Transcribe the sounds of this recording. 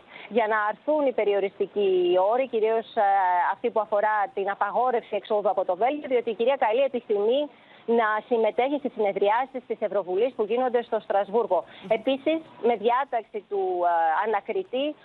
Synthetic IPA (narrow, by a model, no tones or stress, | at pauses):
ʝɐnɐːɾθunipe̞ɾio̞ɾist̪icio̞ɾiciɾio̞sɐft̪ipuɐfo̞ɾɐt̪inɐpɐɣo̞ɾe̞fsie̞kso̞ðuɐpo̞t̪o̞ve̞lʝoðio̞t̪iːciɾiɐkɐlie̞pisθimi | nɐsime̞t̪e̞çist̪isine̞ðɾiɐsist̪ise̞vɾo̞vulispuʝino̞nd̪e̞st̪o̞st̪ɾɐzvuɾɣo̞e̞pisisme̞ðʝɐt̪ɐksit̪uɐnɐkɾit̪i